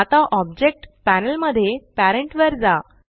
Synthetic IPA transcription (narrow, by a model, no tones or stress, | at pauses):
at̪aʔɔb̚d͡ʑek̚ʈpænəlməd̪ʱːjepæɾəɳʈʋəɾd͡za